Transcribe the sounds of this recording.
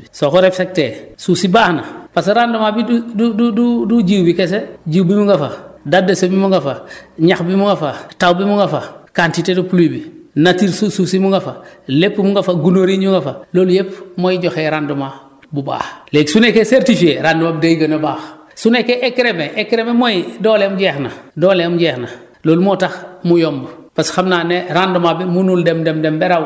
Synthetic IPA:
soxoɾepsek̚tesusibaːhna̰pasɾandumabidudududuɟiwbikes̬eɟiwbimuŋɡafadadːasobimuŋɡafaɲaxbimuŋɡafatawbimuŋɡafakantitedupulubinatiɾsususimuŋɡafalepːimuŋɡafaɡunoɾiɲuŋɡafaloːljepmojiɟoxeɾanduma | buba̰ːxleːksunekeseɾtifieɾandumabudajɡanabaːx | sunekeʔekɾemeʔekːɾememojidoːlemɟexnadoːleamɟexna | loːlmotaxmujomb | pasxamnaneɾandumabimunuldemdemdembeɾaw

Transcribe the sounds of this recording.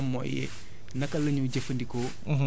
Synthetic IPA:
ɐmːo̰jḛ | nɐkɐlɐɲuɟɐfɐndiko

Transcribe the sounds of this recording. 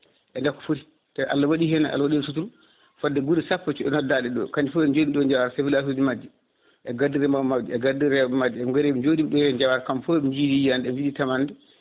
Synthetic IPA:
ʔɛndakːɔ̥foɾi | tɛʔa̰lːawaɗihɛnaʔa̰lːawaɗinsutulu | fadːɛɡuɾisapːat͡ʃuɛnɔdaɗɛɗɔ̰kaɲd͡ʒifɔɛd͡ʒodiɗɔɲd͡ʒawaɾasevilas̬ud͡ʒimad͡ʒːɛ | ʔɛɡadiɾɛmamadiɛɡadiɾɛmad͡ʒɛɛɡɔɾɛd͡ʒodiɗɔjɲd͡ʒawaɾakamfɔɲd͡ʒidijandɛɛd͡ʒiditamandɛ

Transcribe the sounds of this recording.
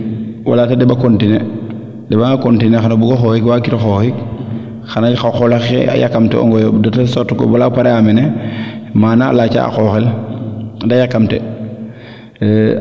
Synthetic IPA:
wa̰laːtadɛbakontine | dɛbaŋakontinexanabuɡoxoːhikwaːkiɾoxoːxik | xanajxaxolaxḛa̰jakːamtɛ̰ɔ̰ŋɡɔjodotasotuko̰balapaɾeamene | maːna̰lat͡ʃa̰a̰xoxel | dajakːamtḛ

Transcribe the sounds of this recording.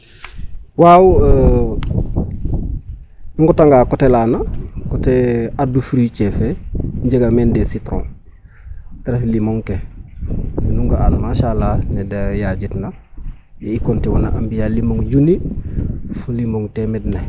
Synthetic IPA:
waːw | ɲuŋɡotaŋɡaːkotelanakoteadufɾit͡ʃefeɲɟeɡamendesitɾõ̰ŋ | teɾeflimoŋke | inuŋɡaa̰lmaːʃalanedajaɟitna | jeikontiwana̰ʔambijalimoŋɟuni | fulimoŋtemedna

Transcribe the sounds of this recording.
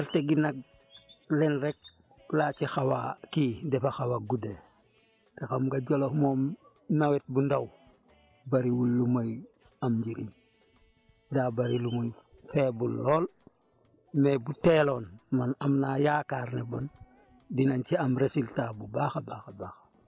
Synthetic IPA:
ɛlteɡinak̚ | lɛnɾek̚ | lat͡ʃixawa̰kiːdɛfaxawaɡude | texamɡaɟɔlohmɔːm | nawet̚bundaw | baɾiwulːumaj | amɟiɾḭɲ | daːbaɾilumuɲfɛbulːɔːl | mebutelonmanamnajakaːɾnebɔn | dinant͡ʃiamɾesiltabubaxabaxabaxḁ

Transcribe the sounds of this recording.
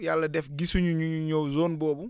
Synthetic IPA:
jalːɐdɛfɡisuɲuɲuɲuɲɔwzɔːnbɔːbu

